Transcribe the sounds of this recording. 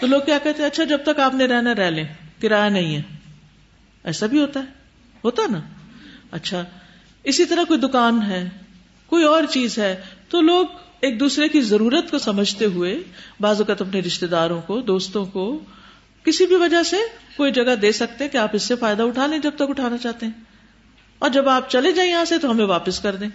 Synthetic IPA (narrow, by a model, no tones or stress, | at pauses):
t̪oloːɡ̚kjaːkɛɦt̪eɦɐtːʃʰad͡ʒɐb̚t̪ɐkaːpnẽɾɛɦnaɾɛɦlẽːkɪɾaːjanɐɦĩɦɛː | ɛːsabʱiɦoːt̪aɦɛː | ɦoːt̪aɦɛna | ɐtːʃʰa | ɪsit̪ɐɾəɦkoːid̪ʊkaːnɦɛː | koːiɔːɾt͡ʃiːzɦɛːt̪oloːɡeːk̚d̪uːsɾekizɐɾuːɾət̪kosɐməd͡ʒʱt̪eɦʊebaːzʋɐkət̪ɐpneɾɪʃt̪ed̪aːɾõkod̪oːst̪õko | kɪsibʱiʋɐd͡ʒasekoːid͡ʒɐɡad̪eːsɐk̚t̪eɦɛ̃keaːpɪsːefaːɪd̪aʊʈʰaːlẽːd͡ʒɐb̚t̪ɐkʊʈʰaːnat͡ʃaːɦt̪eɦɛ̃ː | ɔːɾd͡ʒɐbaːp̚t͡ʃɐled͡ʒaːĩjɐɦãset̪oɦɐmẽʋaːpəskɐɾd̪ẽː